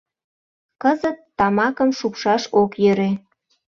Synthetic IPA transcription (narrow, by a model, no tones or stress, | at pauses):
kəzət̪ːɑmɑkəmʃukʃɑʃokjøɾe